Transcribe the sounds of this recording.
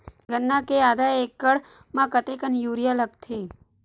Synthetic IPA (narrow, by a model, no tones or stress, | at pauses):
ɡənːakead̪aekːəɽ | mãkət̪ekənjuɾijalək̚t̪ʰe